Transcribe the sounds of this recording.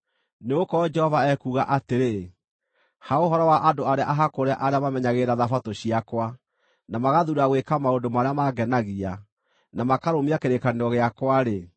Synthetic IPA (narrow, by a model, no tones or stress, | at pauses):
neokɔd͡ʒɛhɔvaɛkuːɣaʔateɾe | haoɦɔɾɔwaʔadoaɾeaʔaɦakoɾaʔaɾeamamɛɲaɣeɾaðafatoɕiakwa | namaɣaðuɾaɣwekamaodomaɾeamaɡɛnaɣia | namakaɾomiakeɾekaneɾɔɣeakwaɾe